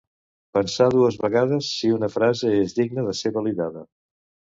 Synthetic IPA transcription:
pənsaðuəzβəɣaðəsːiunəfɾazəezðiɡnəðəseβəliðaðə

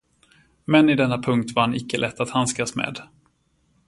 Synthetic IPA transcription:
mɛnɪd̪ɛnːapʰɵŋk̚t̪vaɾhanɪkːəlʔɛt̪ːat̪hanskasmḛːd̪

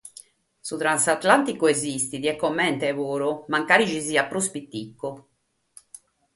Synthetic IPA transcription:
sut̪ɾansat̪lant̪ikoezist̪id̪iɛkːomːɛnt̪ɛvoːɾomaŋkaːɾit͡ʃiziapːɾospit̪ːikːo

